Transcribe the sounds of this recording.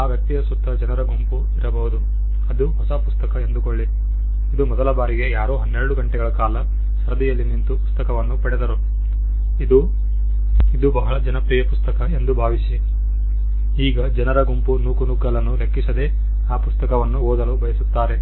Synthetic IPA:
aːʋjɐk̚t̪ijɐsut̪ːɐd͡ʒɐnɐɾɐɡumpu | iɾɐbɐɦud̪u | ɐd̪uɦɔsɐpust̪ɐkɐend̪ukoɭːi | id̪umɔd̪ɐlɐbaːɾiɡe̞jaːɾoːɦɐnːeɾɐɽuɡɐɳʈɛɡɐɭɐkaːlɐ | sɐɾɐd̪ijɐlːinint̪upu̥st̪ɐkɐʋɐnːupɐɽed̪ɐɾu | id̪u | id̪ubɐɦɐɭɐd͡ʒɐnɐpɾiːjɐpust̪ɐkɐe̞nd̪ubʱaːʋisi | iːɡɐd͡ʒɐnɐɾɐɡumpunuːkunuɡːɐlɐnːule̞kːisɐd̪e̞ː | aːpust̪ɐkɐʋɐnːuoːd̪ɐlubɐjɐsut̪ːaːɾe̞

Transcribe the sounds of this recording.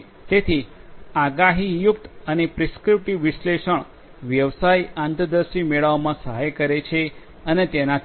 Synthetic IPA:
t̪et̪ʰiaɡaɦijukt̪ənepɾɪskɾɪp̚ʈiʋʋːɪʃleʃəɳ̃ | ʋjəʋsajãnt̪əd̪əɾʃimeɭaʋmãsəɦajkəɾet͡ʃʰe | ənet̪enat̪

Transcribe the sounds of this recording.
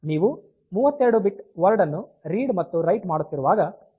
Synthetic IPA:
niːʋu | muːʋɐt̪ːeɾɐɽubiʈʋɐɾɖɐnːuɾiːɖmɐt̪ːuɾɐjʈmaːɽut̪ːiɾuʋaːɡɐ

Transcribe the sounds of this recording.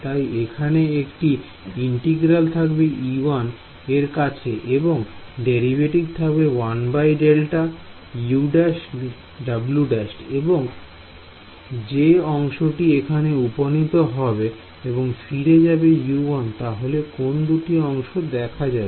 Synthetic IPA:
t̪ajekʰaneekʈi | iɳʈeɡɾalt̪ʰakbeʔiwan | eɾkat͡ɕʰeʔeboŋɖeɾibʱeʈiɡ̚t̪ʰakbewanbajɖelʈa | juɖas | ɖabluɖasʈeboŋ | d͡ʑeɔŋʃoʈiekʰaneuponit̪oɦɔbe | eboŋfiɾed͡ʑabejuant̪aɦolekond̪uʈiɔŋʃod̪ɛkʰad͡ʑae

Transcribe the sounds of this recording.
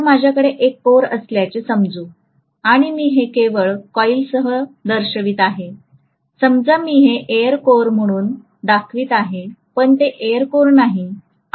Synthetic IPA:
mad͡ʑʱjakəɽeʔekːoɾəsljat͡ɕesəmd͡zuː | aɽ̃imiːɦekeʋəɭkɔilsəɦəd̪əɾɕəʋiːt̪aɦe | səmd͡zamiːɦeʔeəɾkoɾm̤əɽ̃uːn | d̪akʰʋiːt̪aɦepəɳt̪eʔeəɾkoɾnaɦi

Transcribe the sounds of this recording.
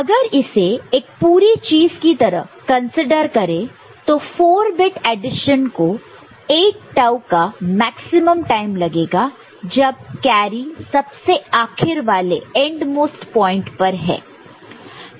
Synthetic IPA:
ɐɡəɾɪseeːk̚puːɾit͡ʃiːzkit̪ɐɾəɦkɐ̃nsɪɖəɾkɐɾẽ | t̪ofoːɾbɪʈeːɖɪʃənko | eːk̚ʈaʊkamɛːksɪməmʈaːɪmlɐɡeːɡa | d͡ʒɐb̚kɛːɾisɐbseaːkʰɪɾʋaːlḛɛ̃ɳɖmoːsʈpɔ̃ːɪ̃ɳʈpɐɾɦɛ̰ː

